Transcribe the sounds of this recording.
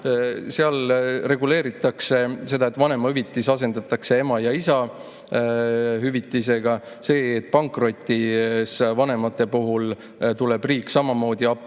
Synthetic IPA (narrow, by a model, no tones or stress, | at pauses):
seɑlre̞ɡule̞ːɾit̪ːˑɑkse̞se̞d̪ɑe̞t̪ːˑvɑne̞mɑyvit̪ːˑisɑse̞nd̪ɑt̪ːˑɑkse̞e̞mɑjɑisɑ | ɦyvit̪ːˑis̬e̞ɡ̥ɑ | se̞ːt̪̚ːˑpɑŋkro̞t̪ʲːisvɑne̞mɑt̪ːˑe̞puɦul | t̪ule̞b̥riːkːˑsɑmɑmo̞ːd̪iɑpːˑ